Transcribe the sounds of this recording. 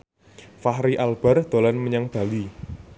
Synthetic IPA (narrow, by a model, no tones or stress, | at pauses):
fahɾiʔalb̥a̤rd̪̥o̤lanməɲaŋb̥ä̤li